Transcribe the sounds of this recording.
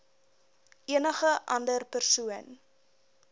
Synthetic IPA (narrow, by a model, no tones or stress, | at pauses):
ʔiənəχəʔɐndərpərsuən